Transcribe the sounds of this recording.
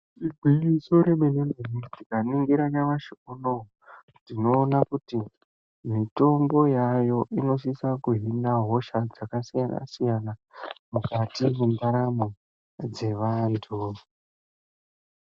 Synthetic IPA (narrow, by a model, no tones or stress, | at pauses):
iɡʱwijisoɾemenenunitikaniŋɡiɾanaʋaʃiuno | nino̞ːnakuti | mito̞mbo̞jajo̞ʔino̞ʃ̬isakuɦinaɦo̞ʃad͡zakasijana̰sijanamukatimundaɾamo | d͡ze̞ʋantʰu